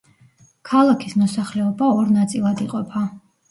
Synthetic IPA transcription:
kʰalˠakʰismɔsaχlɛɔbaɔɾnat̪sʼilˠad̪iqʼɔpʰa

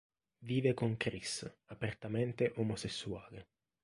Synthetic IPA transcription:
viːvekoŋkɾisapert̪ament̪eʔomosesːuaːle

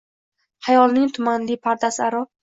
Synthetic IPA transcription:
hajɒlˠnɪŋt̪ʰʊmanlipʰaɾd̪asaɾɒ

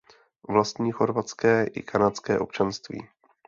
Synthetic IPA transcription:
vlast̪ɲiːxo̞ɾvat͡skɛːʔɪ̰kʰanat͡skɛːʔo̞pt͡ʃanst̪vḭː

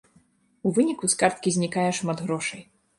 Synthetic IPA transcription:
uvɨnʲikuskart̪̚kʲizʲnʲikajɛʂmad̪ɣɾɔʂɐj

